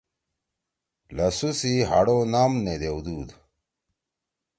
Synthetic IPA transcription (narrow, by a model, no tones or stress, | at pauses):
lɐsusiɦa̰ɽonaːmned̪eud̪uːd̪